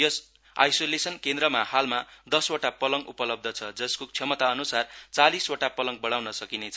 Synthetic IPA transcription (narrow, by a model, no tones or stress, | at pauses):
jʌs | a̰jsolesʌnkẽnd̪rɾʌmahalmad̪ʌswoʈapʌlʌŋupʌlʌb̚d̪ʱʌt͡sʰʌd͡zʌskokt͡sʰʌmʌt̪aʌnusart͡saliswoʈapʌlʌŋ̚bʌɽawnʌsʌkinet͡sʰʌ